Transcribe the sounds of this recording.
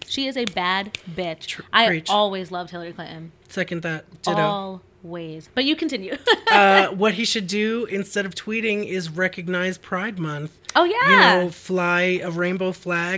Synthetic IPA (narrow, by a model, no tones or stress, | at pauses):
ʃiɨzɨbæd̚bɪt͡ʃʔaɪiɔlˠwizlʌv̥̚hɪlˠə˞ikʰl̥ɪ̰̃ʔm | sɛkɨ̃nðɨt̚d̥ɨɾlˠ | wiz̥b̥ʌt͡ʃɨkʰn̩tʰɪ̃njʉʌwʌt̚hiʃɨdɨɪ̃nstɛɾʌv̥tʰw̥iɾɪ̃ŋɪzɹɛkɨɡ̚naɪz̥pʰɹ̥aɪd̚mʌ̃nθoʊjæjɨnoʊflaɪɨɹẽɪ̃nboʊflæ